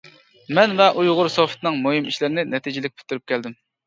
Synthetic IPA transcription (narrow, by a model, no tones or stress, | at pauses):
mɛnvɛʔujʁʊɾsofɨ̥t̪nɨŋmoɦimiʃlɪɾɪnɪnɛt̪ʰid͡ʒɪlɪk̚ʲpʰɪ̥t̪ʰːyɾyp̚kʲʰɛld̪ɪm